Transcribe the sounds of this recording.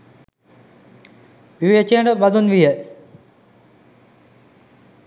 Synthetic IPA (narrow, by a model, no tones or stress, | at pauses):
ʋiʋet͡ʃijəɳɖəbad̪unʋijə